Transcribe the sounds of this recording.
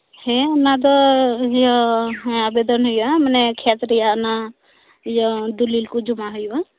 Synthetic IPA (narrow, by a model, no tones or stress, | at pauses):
henad̪ɔjɔɦabed̪ɔnɦujamənɛkʰet̪ɾijana | jɔd̪ulilkud͡ʒumaɦuja